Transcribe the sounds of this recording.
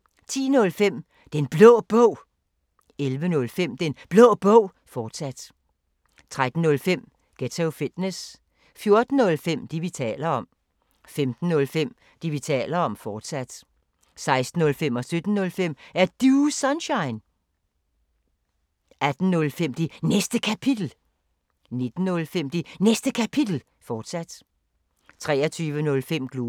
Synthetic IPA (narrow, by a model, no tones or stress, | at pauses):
t͡sʰḭːnɔ̽lfem̰ | d̥enb̥lɔːb̥ɔ̽ʊ̰ | elʋənɔ̽lfem̰d̥enb̥lɔːb̥ɔʊ̰ | fɒːd̥sæd̥ | t͡sʰʁad̥n̩ːɔ̽lfem̰ | ɡ̥et͡sʰeʊfid̥nes | fjo̝ɐd̥n̩ɔ̽lfem̰d̥iʋit͡sʰɛ̰ːlɐɒ̽m̰ | femd̥n̩ːɔ̽lfem̰ | d̥iʋit͡sʰɛ̰ːlɐɒ̽mfɒːd̥sæd̥ | sɑ̈ɪsd̥n̩ːɔ̽lfem̰ɒ̽sød̥n̩ːɔ̽lfem̰æɐd̥usɒnɕɑ̈ɪn | ʔæd̥n̩nɔlfem̰d̥inesd̥əkʰæpʰid̥l̩ | ne̝d̥n̩ːɔ̽lfem̰d̥inesd̥əkʰæpʰid̥l̩ | fɒːd̥sæd̥ | t͡sʰʁɛːɐt͡sʰyːʋənɔ̽lfem̰ɡ̥loː